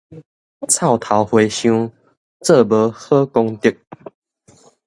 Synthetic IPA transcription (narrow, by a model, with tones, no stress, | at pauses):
t͡sʰa˥˨ʊt̪ʰa˨˦ʊxwe˨˦jɕju˥˦ | t͡sə˥˨bə˨˦hə˦ko˦ŋt̪i˥˨k̚